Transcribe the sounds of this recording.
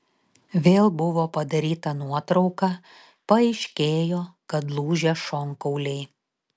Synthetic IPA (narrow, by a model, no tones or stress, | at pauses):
ʋʲeːlˠbʊʋoːpɐd̪ɐɾʲiːt̪ɐnuɔt̪ɾɒʊkɑ | pɐɛɪʃʲkʲeːjoːkɐt̪lˠuːʒʲɛʃɔŋkɐʊlʲɛɪ